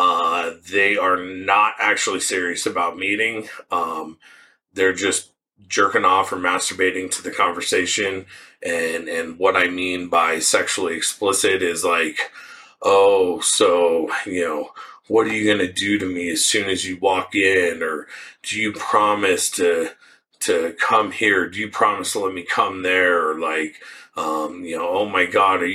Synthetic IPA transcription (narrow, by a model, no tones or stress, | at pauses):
ʌðeɪə˞nəɾʔæk̚t͡ʃul̩ˠisɪɹiɨsɨbaʊt̚miɾɪ̃ŋʌ̃m | ðə˞d͡ʒʌs | d̥ʒ̥ɜ˞kɪ̃ŋɔfə˞mæstə˞beɪɾɪ̃ŋtʰɨðɨkʰɑ̃ɱvə˞seɪʃɨ̃nʔɨ̃nɨ̃nwʌɾaɪmĩnbaɪsɛkʃul̩ˠiɨksplɪsɪɾɪzlaɪk | ʔoʊsoʊjɨnoʊ | wʌɾə˞jɨɡʌnɨdɨɾɨmiɨz̥sʉ̃nɨzjɨwɔkɪ̃nə˞d̥ɨjɨpʰɹ̥ɑmɨstʰɨ | tʰɨkʰʌ̃mhiɹdɨjɨpʰɹ̥ɑməslɛt̚mikʰʌ̃mðə˞ə˞laɪkʌ̃mjɨnoʊoʊmaɪɡɑɾə˞